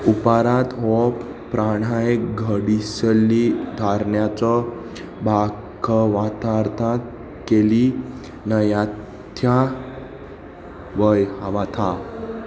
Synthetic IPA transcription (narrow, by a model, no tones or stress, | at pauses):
upaɾat̪ɦɔp | pɾaɽajɡʱəɽisəlːid̪ʱaɾɳjat͡sɔ | bʱa | kʰəʋat̪aɾt̪ʰat̪ | keli | nəjat̪ʰja | ʋəjaʋat̪ʰa